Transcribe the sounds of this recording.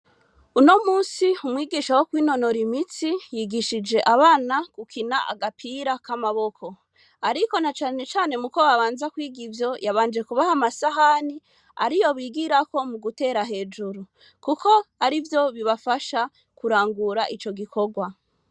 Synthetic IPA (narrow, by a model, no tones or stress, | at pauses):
uno̞muːsiumwiːɡiʃawokwiːno̞no̞ɾimit͡sijiːɡiʃid͡ʒe̞ʔaβaːnakukʰinaʔa̰ɡapʰiːɾakamaβo̞kʰo̞ | aɾiko̞nat͡ʃaːne̞t͡ʃaːne̞muko̞βaβaːnzakwiːɡivjo̞jaβaːnd͡ʒe̞kuβahamasaɦani | a̰ɾijo̞βiːɡiɾako̞muɡute̞ːɾaɦe̞ːd͡ʒuɾu | kuko̞aɾivjo̞βiβafaʃa | kuɾaːŋɡuɾaʔit͡ʃo̞ɡikʰo̞ɡwa